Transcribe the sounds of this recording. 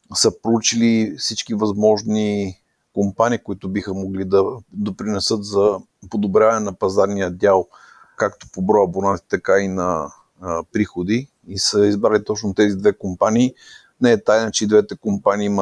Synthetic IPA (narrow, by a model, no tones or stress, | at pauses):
səpɾout͡ʃilifsit͡ʃkivɐzmɔʒni | kompaniːkoit̪ʊbixəmoɡlid̪ɐd̪opɾinɛsət̪zɐ | pod̪obɾʲjavɐnɛnɐpɐzaɾnijəd̪ʲjalˠ | kakt̪o̥pobɾɔjɐbonat̪i̥t̪ɐkainɐ | pɾixod̪i | isəizbɾalit̪ɔt͡ʃnʊt̪ɛzid̪vɛkompaniː | nɛɛt̪ajnət͡ʃɛid̪vɛt̪ɛkompaniːm